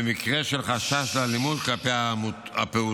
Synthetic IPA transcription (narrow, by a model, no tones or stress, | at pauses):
emikʁeʃelχaʃaʃlalimudklapeamuapeu